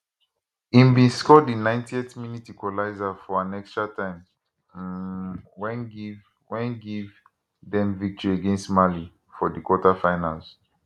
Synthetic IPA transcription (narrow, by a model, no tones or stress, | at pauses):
ĩmbĩnskɔdinãɪ̃ntiɛtminitikɔlaɪzafɔãnɛkstɹatãɪ̃m | wɛ̃nɡiv | wɛ̃nɡiv | dɛ̃mvik̚tɔɹiaɡẽnstmali | fɔdikwɔtafãɪnã̰ls